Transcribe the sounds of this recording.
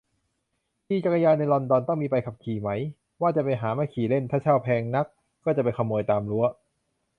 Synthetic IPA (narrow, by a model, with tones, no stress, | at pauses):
t̪ʰiː˧˩t͡ɕa˧˩ka˧jaː˧nːa˧jlɔ˧ndɔː˧nt̪ɔ˥˩ŋmiː˧pa˧jkʰa˨˩p̚kʰiː˨˩ma˦˥j | waː˥˩t͡ɕa˨˩pa˧jɦaː˩˦maː˧˥˩kʰiː˨˩le˥˩nt̪ʰaː˥˩t͡ɕʰaː˥˩wpʰɛː˧ŋna˦˥kː | ɔː˥˩t͡ɕa˨˩pa˧nkʰa˧mːoː˧jt̪aː˧mɾu˦˥ɐ